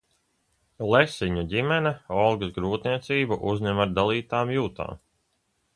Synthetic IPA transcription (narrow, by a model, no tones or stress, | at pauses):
lˠɛsiɲuɟimɛnɛɔlˠɡzɡɾuːt̪nʲiɛt̪siːbuʔuzɲɛmaɾd̪alˠiːt̪aːmjuːt̪a̰ːm